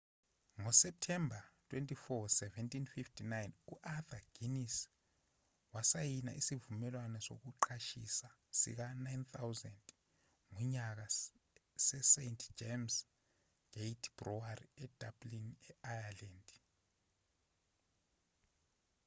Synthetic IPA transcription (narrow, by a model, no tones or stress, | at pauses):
ŋɔsɛp̚tʰɛmbʱatʰʼwentʼifɔsɛvɛntʰʼinfiftʰinajnuʔaθaɡ̥inis | wasajina̰ʔisivumɛlwanɛso̰k̬uǃʰaʃisasḭk̬anajnt̪ʰawzɛnd | ŋuɲak̬a | sɛsentʰd͡ʒems | ɡ̥ʱejtʰb̥rɔariɛd̥ʱablinɛajaland